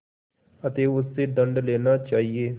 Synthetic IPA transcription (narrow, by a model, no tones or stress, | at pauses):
ət̪eːʊst̪eːd̪ə̃ɳɖleːnaːt͡ʃaːɦieː